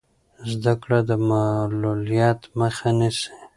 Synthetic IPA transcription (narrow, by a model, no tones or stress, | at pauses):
zd̪akɽad̪əmalulijɑt̪məxanisi̥